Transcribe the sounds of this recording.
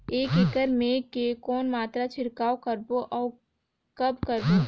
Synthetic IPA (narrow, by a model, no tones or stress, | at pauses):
eːkekəɾmẽkekɔːnmaːt̪ɾat͡ʃʰɪɾkaːokəɾboʔɔː | kɐbkəɾbo